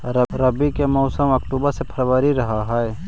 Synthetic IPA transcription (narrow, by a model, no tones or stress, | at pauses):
ɾɾɐbikemɔːsəmɐkʈuːbəɾsepʰɐɾʋaːɾiɾɐɦaɦɛɛ